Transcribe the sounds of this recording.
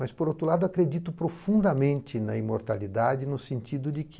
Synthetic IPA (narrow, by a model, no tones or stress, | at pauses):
mɐspoɾowt̪ɾʊlad̪ʊakɾed͡ʒit̪ʊpɾofũnd̪ɐmẽnt͡ʃ̪ɪnɐ̰ĩmoɾt̪alid̪ad͡ʒɪnʊsẽnt͡ʃid̪ʊd͡ʒɪk